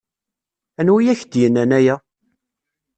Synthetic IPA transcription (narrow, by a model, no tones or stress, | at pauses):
ænwijæçd̪jənːænæjæ